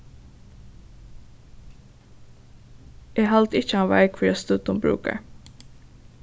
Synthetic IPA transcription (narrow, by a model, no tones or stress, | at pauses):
eːhɑlt̪ɪt͡ʃəɑnʋæ̰ɪɡfɹɛst̪ʉːt̪ʊmbɾʉ̰ːkə̰ɹ